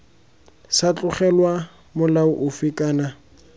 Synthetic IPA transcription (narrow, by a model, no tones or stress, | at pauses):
sat͡ɬʼʊχɛlwa | mʊlaʊʔʊfɪkʼaːna